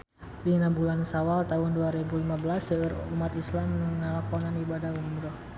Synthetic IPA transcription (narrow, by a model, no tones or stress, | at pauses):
dinabulansawalt̪aɦʊnduaɾɛbulimabəlasəəɾumat̪islaməŋəlakɔnanibadahumɾɔh